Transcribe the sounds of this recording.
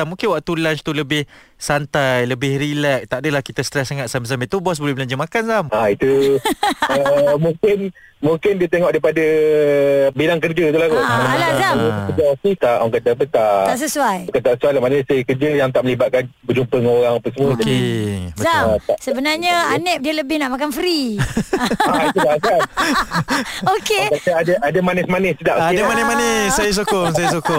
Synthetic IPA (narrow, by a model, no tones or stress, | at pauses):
amũŋkɪnwaʔ̚t̪ulant͡ʃt̪uləbɪh | sant̪ajləbɪhrilɛʔ̚t̪aʔdəlahkit̪ast̪ɾɛsaŋat̪̚sambəs̬ambiʔt̪ubɔs̬bolɛhbəlaɲd͡ʒəmakansamait̪u | əmũŋkɪn | muŋkɪndiət̪eŋɔʔdaipada | bilaŋkərd͡ʒat̪ulahkulazaəkəd͡ʒasit̪aʔaŋkat̪ap̬ət̪aaʔsəsuajukant̪aʔsəsuajlahmanəsəkəd͡ʒɪljaŋt̪aʔməlibaʔ̪̚kanbəd͡ʒumpəŋoɾaŋapəŋsəmuəd͡ʒadizat̪aʔsəbənarɲəanɛʔ̚diələbɪhnaʔmakanfɾi | it̪ulasa | okekaaadaʔadamanɪsmanɛsədaʔkimanɛmanəsajas̬okʊsajas̬ukʊ